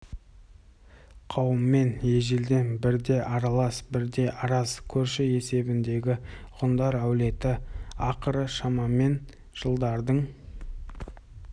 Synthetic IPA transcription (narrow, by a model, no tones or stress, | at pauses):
qʰɑwəmːe̞nje̞ʒeld̪e̞nbɪɾd̪e̞ʔɑɾɑlˠɑsbɪɾd̪e̞ʔɑɾɑskʲʰɵɾʃɪe̞se̞bɪnd̪e̞ɡʲɪʁʊnd̪ɑɾæwle̞t̪ɪɑqəɾəʃɑmɑme̞n | ʒ̥əlˠd̪ɑɾd̪əɴ